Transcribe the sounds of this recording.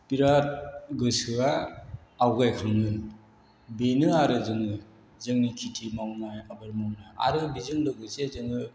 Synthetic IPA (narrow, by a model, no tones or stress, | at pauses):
piɾat̚ɡɯsɯaː | wɡajkʰaŋnɯ | benɯaɾɯzɯŋɯ | zɯŋnikʰitʰimawnaabaɾmawnaa̰ɾɯbizɯŋdɯɡɯsezɯŋɯ